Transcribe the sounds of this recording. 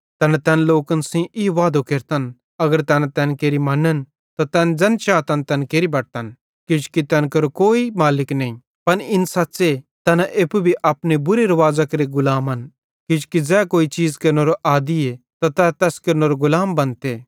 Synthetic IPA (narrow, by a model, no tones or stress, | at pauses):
t̪ɛːnãt̪ɛːnloːkənsĩʔiʋaːd̪okeːɾt̪ən | ɐɡəɾt̪ɛːnãt̪ɛːnkeːɾimɐnən | t̪ot̪ɛːnd͡ʒɛnt͡ʃaːt̪ɐnt̪ɛːnkeːɾibɐɽ̚t̪ɐn | kɪd͡ʒu̥kit̪ɛːnkɐɾokoːimaːlɪknɐ̃ĩ | pɐnɪnsɐtːset̪ɛːnãʔeːpubʱiʔapnebʊɾeɾɐʋaːd͡zakɐɾiɡʊlaːmɐn | kɪd͡ʒu̥kid͡zɛːkoːit͡ʃiːd͡zkɐɾnoɾoʔaːd̪iet̪at̪ɛt̪ɛːskɐɾnoɾoɡʊlaːmbɐnt̪e